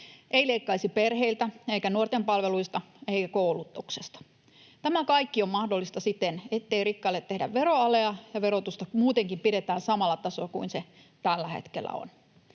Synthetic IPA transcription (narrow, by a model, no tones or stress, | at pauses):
ʔeileikːɑisiperheilt̪æeikænuort̪empɑlʋeluist̪ɑ | eikækoulut̪ːuksest̪ɑ̥ | t̪æmækɑikːiommɑhdolːist̪ɑsit̪enet̪ːeirikːɑlːet̪t̪ːehdæ̰ʋʋeɾoɑleɑjɑʋeɾot̪ust̪ɑmuːt̪eŋkimpiɾet̪æːnsɑmɑlːɑt̪ɑsokuinse | t̪ælːæhḛt̪kḛlːˑæ̰o̰n